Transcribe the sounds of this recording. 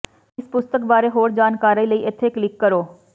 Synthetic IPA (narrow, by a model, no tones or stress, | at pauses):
ɪspʊst̪əkbaːɾeːɦoːɾd͡ʒaːnkaːɾəiləiːʔɪt̪ʰːeːklɪkːəɾoː